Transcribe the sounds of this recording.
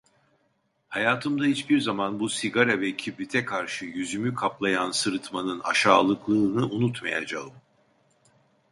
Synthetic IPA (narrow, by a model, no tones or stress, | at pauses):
hajaːt̪ʰɯmd̪ahit͡ʃbiɾzamanbusiɡaɾavɛcʰibit̪ʰɛkʰaɾʃɯjyzymykʰaplˠajansɯɾɯt̪manɯna̰ʃaːlˠɯklˠɯːnɯʔunut̪maja̰d͡ʒaɯm